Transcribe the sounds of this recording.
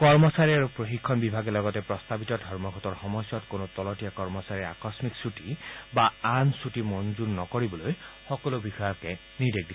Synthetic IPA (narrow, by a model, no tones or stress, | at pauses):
kɔɹmɔsaɹiaɹupɹoxikʰːɔnbibʱaɡɛlɔɡɔtɛpɹɔst̪abitɔdʱɔɹmɔɡʱɔtɔɹxɔmɔsjɔtkonotɔlɔtijakɔɹmɔsaɹia̰kɔsmiksutibaansutimɔnzunːɔkoɹibɔlojxɔkɔlobixɔjakɛ | nidek̚di